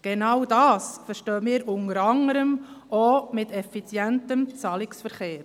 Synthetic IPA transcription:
ɡ̥enɑwdɑːsfəɾʃtøːmɪːɾʊnəɾɑŋəɾəmoːmɪtɛfit͡sjɛntəmt͡sɑːlɪksfəɾχeːɾ

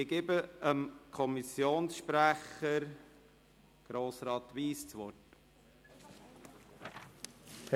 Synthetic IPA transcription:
ɪɡ̥ɪbəəmkʰɔmisjoːnsʃpɾæχəɾ | ɡ̥ɾoːsɾɑːt̪ʋiːst͡sʋɔt

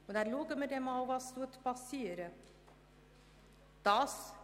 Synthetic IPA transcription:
ɔd̪æɾloːɡəmed̪ɛmɑʋɑst̪uət̪bɑsiːəɾə | d̪̥ɑːs

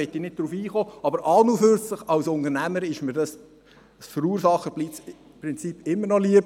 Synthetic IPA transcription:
ɛt̪ːinɪt̚d̥ɾuːfiːχoːɑbəɾʔɑlnuføɾt͡sləχɑwsʊndəɾnæməɾɪʃməɾdɑs | sfəɾuːɾsɑχːəb̥liːp̚t͡s | pɾɪnt͡siːpːɪmːəɾnɔliəb

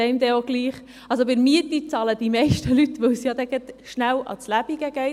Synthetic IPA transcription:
ɛɪmd̪ɛoɡ̥liːχ | ɑlsobɪɾmiət̪it͡sɑːləd̪̥imɛɪʃtəlyt̪ʋœwsjɑd̪ɛɡɛt̪ʃnæwʔɑ̰t͡slæb̥iɡ̥əɡ̥ɛɪ

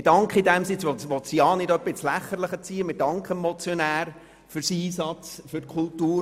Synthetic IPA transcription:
ɪd̥ɑŋkχəidɛmsɪt͡sʋɔtʋɔt̪siɑːnɪdœbɪt͡slæχːəɾləχət͡siːəmɪd̥ɑŋkχəmːɔt͡sjɔnæːɾ | fʏɾsiːsɑt͡sfʏtkʰultuː

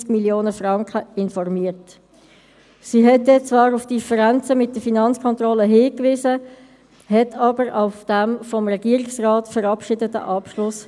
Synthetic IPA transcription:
skmiljoːnəfʁɑŋkəɪnfɔrmiːəɾt | siɦɛt̚dɛt͡svɑːɾʊfd̥ifəɾænt͡səmɪt̚d̥əfinɑnt͡skʰɔntʁɔləɦɪːkvɪːzə | hɛtʰɑːbəɾaʊfd̥ɛmfɔmʁɛɡiəɾiksraːtfəɾɑpʃɪdətə̰ʔɑpʃlʊs

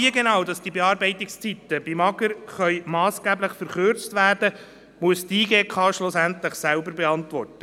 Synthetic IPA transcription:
iəɡenɑwdɑsd̥ibɛɑːɾbɛɪt̪ɪkst͡sit̪əbimɑɡəɾχœʏmɑːsɡ̥æːbləχfəɾχøɾt͡stʋæːrd̥ə | muəstiːɡeːkʰɑːʃlʊsænt̪ləχsælbəɾbɛɑntʋɔrtə

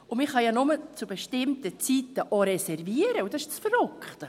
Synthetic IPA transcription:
ʊmɪχhɑjɑnʊmət͡subeʃtɪmtət͡sitəʔɔɾɛsɛrviːəɾəudɑsɪʃsfərøkχt̪ə

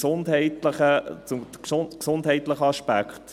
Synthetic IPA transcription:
sʊndhɛɪtləχət͡sʊməsʊksʊndɦɛɪt̪ləχəɑʃpækχt

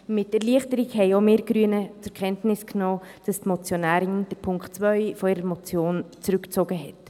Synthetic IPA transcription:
mɪtɛɾliəχtəɾikhɛɪomeːɾɡ̥ɾyənət͡sʊɾkʰχɛntnɪsknoː | d̥ɑstmɔt͡sjonæːɾɪnd̥əɾpʰʊŋktt͡svœʏfɔiɾəmɔt͡sjoːnt͡sɾʉkt͡soɡəɦɛt

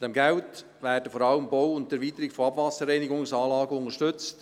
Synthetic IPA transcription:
d̥ɛmɡɛwt | ʋæːrdəfɔɾɑləmbɔwʊnt̚tɛɾʋiːt̪əɾɪkfɔɑbvɑsəɾɛɪniɡʊŋsɑːlɑːɡəʊŋəʃtʏt͡st

